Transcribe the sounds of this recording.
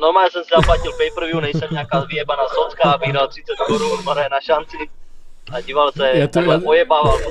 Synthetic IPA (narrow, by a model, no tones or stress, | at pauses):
noɾmaːɲɛsɛmsɛzaplacɪlpɛjpɾ̩vjunɛjsɛmɲɛakaːzviɛbanasot͡skabiːɦɾalt̪r̥ɪt͡sɛt̪̚koɾunmaɾajɛnaʃant͡sɪʔaɟiːvalsɛilɛʔojɛbaːval